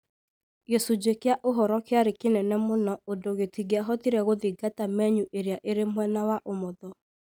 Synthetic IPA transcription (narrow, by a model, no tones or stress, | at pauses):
ɣesud͡ʒekeaʔoɦɔɾɔkeaɾekenɛnɛmonɔodoɣetiɣeaɦɔtiɾɛɣoðiɡatamɛɲuʔeɾjaʔeɾemwɛnawaʔomoðɔ